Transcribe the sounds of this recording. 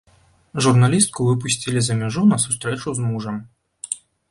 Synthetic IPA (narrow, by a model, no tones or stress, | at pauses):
ʐurnalʲist̪̚kuvɨp̬usʲt͡sʲilʲizɐmʲaʐunɐsust̪ɾɛt͡ʂuzmuʐɐm